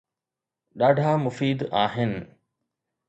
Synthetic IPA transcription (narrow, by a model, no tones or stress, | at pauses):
ɗaɖʱaːmʊfiːd̪aːɦen